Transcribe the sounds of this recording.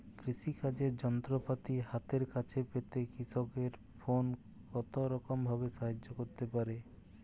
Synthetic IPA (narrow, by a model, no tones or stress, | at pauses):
kɾiʃikad͡ʑeɾd͡ʑɔnt̪ɾopat̪iɦat̪eɾkat͡ɕʰepet̪ekiʃɔkeɾ | fʰon | kɔt̪oɾɔkombʱabeʃaɦad͡ʑːokoɾt̪epaɾe